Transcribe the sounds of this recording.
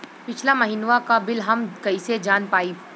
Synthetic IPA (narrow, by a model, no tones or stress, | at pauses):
pɪt͡ʃʰlamɐɦiːnʋakabɪlɦɐmkɐised͡ʒaːnpaːiː